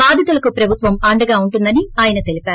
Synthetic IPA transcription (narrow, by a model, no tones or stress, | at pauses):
aːd̪ʱɐt̪ɐlɐkupɾɐbʱut̪ʋɐmɐɳɖɐɡaːuɳʈund̪ɐniaːjɐnɐt̪elipaːɾ